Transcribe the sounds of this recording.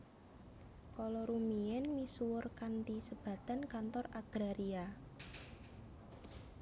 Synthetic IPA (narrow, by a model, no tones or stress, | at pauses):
kɔlɔɾumiɛnmisuwʊrkant̪isəb̥a̤t̪a̤nkant̪ɔraɡ̥ɾaɾia